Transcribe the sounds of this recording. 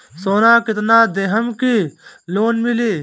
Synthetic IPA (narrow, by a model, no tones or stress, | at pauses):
soːnãːkit̪naːd̪eɦɐmkiloːnmileː